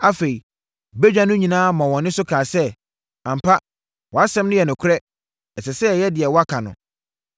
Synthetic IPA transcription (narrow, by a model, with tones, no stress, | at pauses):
a˦fe˨i˨ | be˦d͡ʑᶣã˦nʊ̃˦ɲĩ˨nãː˦mã˨wɔ̃˨nɪ̃˦sʊ˦kʰaː˨sɛ˦ | ã˨m̩˨pʰa˦ | wɔ˨a˦sɛ̃˦mnʊ̃˦jɛ˨nʊ̃˨kʷʰʊ˦ɾɛ˦ | ɛ˨sɛ˨sɛ˦˨jɛ˦dɪ˨ɛ˨wɔ˦a˦kʰa˨nʊ̰̃˨